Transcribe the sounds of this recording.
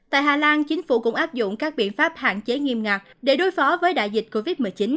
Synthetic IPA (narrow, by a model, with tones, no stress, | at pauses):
t̪a̰ː˧˨jɦaː˨˩laː˧nt͡ɕï˨˦ŋ̟fṵ˧˩kʊ̰˧˥ŋ͡mʔaː˦˥p̚zʊ̰˧˨ŋ͡mkaː˦˥k̚ɓḭ˧˨ənfaː˦˥p̚ha̰ː˧˨nt͡ɕe˨˦ŋi˧əmŋaː˨˩k̚ɗe˧˩ɗo˨˦jfɔ˨˦vəː˨˦jɗa̰ː˧˨jzi˨˩t̟̚ko˧vi˦˥t̚mɨ˨˩əjt͡ɕï˨˦n